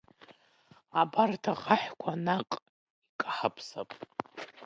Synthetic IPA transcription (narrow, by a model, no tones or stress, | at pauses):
abartʰaʁaħʷᶣkʷʰanaqʼ | ikʼaħapʰsa̰pʼ